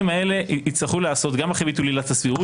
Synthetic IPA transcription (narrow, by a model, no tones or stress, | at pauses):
imae̞le̞it͡slaχuleaːso̞t̪ɡamaχebit̪ulilat̪asviʁu